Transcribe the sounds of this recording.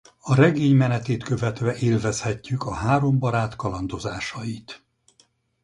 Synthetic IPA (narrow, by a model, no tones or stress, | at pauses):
ɒɾɛɡeːɲmɛnɛt̪eːt̪kø̞vɛt̪ʋɛʔeːlvɛshɛcːykɒɦaːɾo̞mbɒɾaːt̪kɒlɒnd̪o̞zaːʃɒjit̪